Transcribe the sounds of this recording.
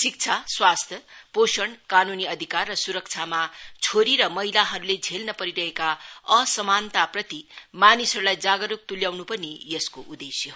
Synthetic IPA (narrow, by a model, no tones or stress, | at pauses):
sik̚t͡sʰaswast̪ʰjʌposʌɳkanuniʌd̪ʱikarːʌsuɾʌk̚t͡sʰamat͡sʰoɾiɾʌmʌɦilaɦʌɾuled͡zʱelnʌpʌɾiɾʌɦekaʌsʌmant̪aprʌt̪imanisʌɾulajd͡zaɡʌɾuk̚t̪uljawnupʌnijʌskoʔud̪esjʌ